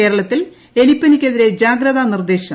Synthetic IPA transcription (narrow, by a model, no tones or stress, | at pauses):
eːɾɐɭɐt̪ːil | e̞lipːɐnikʲːeðiɾe̞d͡ʑaːɡɾɐðanird̪e̞ːɕɐ